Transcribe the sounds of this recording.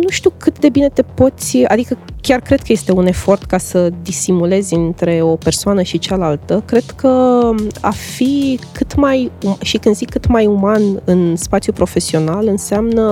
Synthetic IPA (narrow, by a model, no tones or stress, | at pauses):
nuʃt̪iukɨt̪d̪e̞bine̞t̪e̞po̞t̪sʲa̰d̪ikəkʲarkɾe̞d̪̚kəje̞st̪e̞une̞fo̞rt̪kasəd̪isimule̞zʲɨnt̪ɾe̞o̞pe̞rsoanəʃit͡ʃalalt̪əkɾe̞d̪kʰə | a̰fikɨt̪majumʃikɨnd̪zikːɨt̪majumanɨnspat̪sjupɾo̞fe̞sio̞nalɨnseamnə